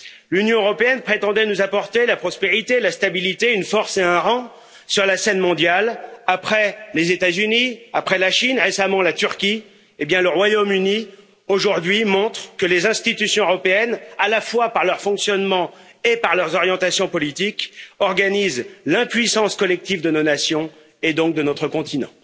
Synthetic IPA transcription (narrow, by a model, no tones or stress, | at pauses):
lynjɔ̃øʁɔpeɛnpχet̪ɑ̃d̪ɛnuzapɔʁt̪elapχɔspeʁit̪elast̪abilit̪eynfɔʁseɛ̃ʁɑ̃ | syʁlasɛnmɔ̃d̪jalapχɛlezet̪azyniapχɛlaʃinʁesamɑ̃lat̪yʁkʲi | ebjɛ̃ləʁwajomyni | oʒuʁd̪ɥimɔ̃t̪χkəlezɛ̃st̪it̪ysjɔ̃øʁɔpeɛnalafwapaʁlœʁfɔ̃ksjɔnmɑ̃ | epaʁlœʁzɔʁjɑ̃t̪asjɔ̃pɔlit̪ikɔʁɡanizlɛ̃pɥisɑ̃skɔlɛk̚t̪ivd̪ənonasjɔ̃ | ed̪ɔ̃k̚d̪ənɔt̪χəkɔ̃t̪ʰinɑ̰̃